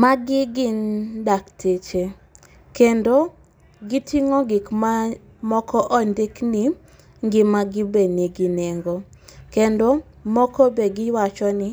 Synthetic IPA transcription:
maɡɪɡɪndaktʰet͡ʃe | kendo | ɡitʰiŋɔɡɪkma | mɔkʰɔʔɔndɪkni | ŋɡɪmaɡɪbeniɡɪnɛŋɡo | kendo | mɔkɔbeɡɪwat͡ʃɔnɪ

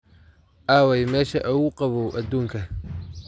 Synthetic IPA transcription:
ʔaːwɛjmɛːʃɐʔɐʊqɑβɔʔɐd̪uːŋkʰɐ

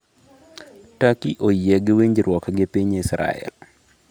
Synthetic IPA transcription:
takiʔojɛɡɪwiɲd͡ʒɾwɔkɡɪpiɲisɾa̰ɛ̰l

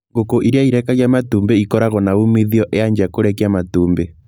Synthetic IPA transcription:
ŋɡokoʔiɾiaiɾɛkaɣjamatuːmbeikɔɾaɣɔnaumiðiɔʔeaɲd͡ʒakoɾɛkiamatuːmbe

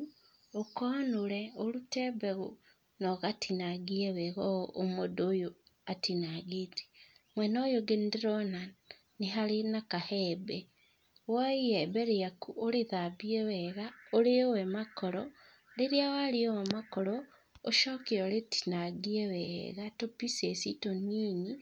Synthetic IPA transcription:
okonuleolutebeɣo | noɣatʰinaɡieweɣoomodojoatinaɡiti̥mwenojoɡendiɾona | niɦalinakahebe | waiɛbɛɾejakuoɾeðaβiewɛɣaoɾeowɛmakɔɾɔ | leɾjawaliowamakɔɾɔ | oʃoːkeoletʰi̥naɡiewɛɣatopisesitoniːɲi

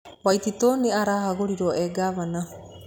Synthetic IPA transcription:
wajtitɔniaɾahaɡoɾiɾɔʔeɡaβana

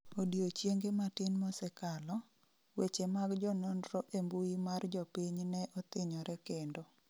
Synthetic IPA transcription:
odjot͡ʃjeŋɡematɪnmɔsɛkalɔ | wet͡ʃemaɡd͡ʒɔnɔndɾɔʔembuimard͡ʒɔpiɲnɛʔɔt̪ɪɲɔɾɛkendo

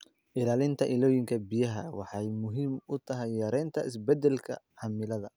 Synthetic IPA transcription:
ʔɪlaːlɪnt̪ʰɐʔɪlɔːjɪŋkʰɐbijɐɦɐ̰wɑħɑjmʊɦiːmʊt̪ʰɐɦɛjːɐɾɛːnt̪ʰɐɪs̬bɛd̪ɛlkʰɐ̰ | ħɑmɪlɐðɐ

